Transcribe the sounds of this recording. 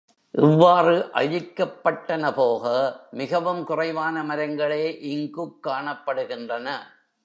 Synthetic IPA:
ʔɪʋːaːrɯʔɐ̰ɻɪkːɐpːɐʈːɐnɐpoːɣɐmɪɣɐʋɯmkʊrɐɪʋaːnɐmɐɾɐŋɡɐɭeːʔɪŋɡɯkːaːɳɐpːɐɽɯɣɪndrɐnɐ

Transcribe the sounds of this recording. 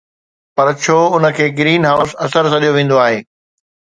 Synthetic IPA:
pɐɾt͡ɕʰoːʊnə̆kʰeːɡɪɾiːnɦaːʊsɐsəɾsɐɗijoʋẽːn̆d̪oaːɦeː

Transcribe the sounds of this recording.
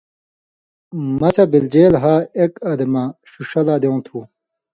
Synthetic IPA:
mɐsɐbild͡ʑeːlɦaːekɐd̪ɐmɐɕuʂɐlaːd̪ew̃t̪ʰu

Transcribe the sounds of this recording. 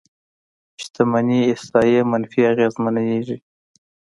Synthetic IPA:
ɪʃt̪amaniɪsɑjemanfiaɣezmanajeʐi

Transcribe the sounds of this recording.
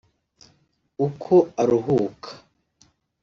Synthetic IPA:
ukʰoaɾuɦukʰḁ

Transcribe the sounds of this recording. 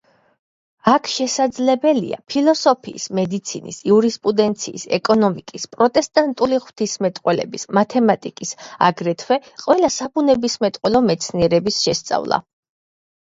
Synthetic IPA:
akʰʃɛsad̪zlɛbɛlḭa̰pʰilˠɔsɔpʰḭːsmɛd̪it̪sʰinḭsiuɾispʼud̪ɛnt̪sʰḭːsɛ̰kʼɔnɔmikʼispʼɾɔt̪ʼɛst̪ʼant̪ʼuliʁw̥t̪ʰismɛt̪ʼqʼwɛlɛ̰bismat̪ʰɛmat̪ʼikʼisa̰ɡɾɛt̪ʰwɛqʼwɛlasabunɛbismɛt̪ʼqʼwɛlɔmɛt̪sʰniɛɾɛbisʃɛst̪sʼa̰vlˠa̰

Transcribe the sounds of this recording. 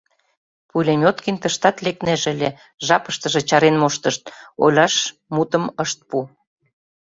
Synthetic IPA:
pulʲemʲot̪kinʲt̪əʃt̪ɑt̪lek̪̚nĕʒəlʲe | ʒɑpə̥ʃt̪ə̆ʒĕt͡ɕɑɾenmoʃt̪əʃt̪̚o̰jlʲɑʃ | mut̪ə̆məʃt̪̚pu

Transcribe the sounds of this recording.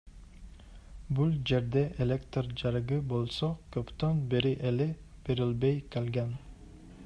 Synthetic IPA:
bulˠd͡ʒe̞ɾd̪eʔelʲekt̪rd͡ʒɑɾɡɯbolˠsokʰøpt̪ønbeɾiʔelɪ | b̥eɾilbejkʲʰelɡʲæn

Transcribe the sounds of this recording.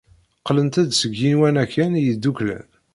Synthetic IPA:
qlənt̪æd̪səɡːinwænækʰːænjəd̪ːuklæ̰n

